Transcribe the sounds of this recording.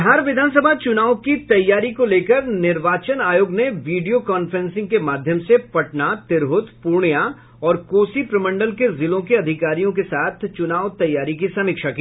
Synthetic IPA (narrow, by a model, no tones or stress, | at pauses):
ɦaːɾʋɪd̪ʱaːns̬əbʱat͡ʃʊnaːwkit̪ɐjːaːɾikoleːkəɾnɪɾʋaːt͡ʃənaːjoːɡneʋiːɖijokɔːnfəɾɛ̃nsɪ̃ŋɡ̚kemaːd̪ʱjəmsepɐʈnat̪ɪɾɦʊt̪puːɾɳja | ɔːɾkoːsipɾɐmə̃ɳɖəlkezɪlõkeɐd̪ʱɪkaːɾijõk̬esaːt̪ʰt͡ʃʊnaːwt̪ɐjːaːɾikisɐmɪːkʃakiː